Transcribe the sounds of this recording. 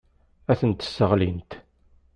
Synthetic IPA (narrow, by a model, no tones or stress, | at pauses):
æθənt̪ə̥sːəʁlint̪